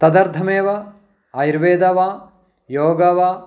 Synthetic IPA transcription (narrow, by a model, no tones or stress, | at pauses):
t̪ɐd̪ɐɾd̪ʰʱɐmeːʋɐ | ɐjiɾʋeːd̪ɐʋaː | joːɡɐʋaː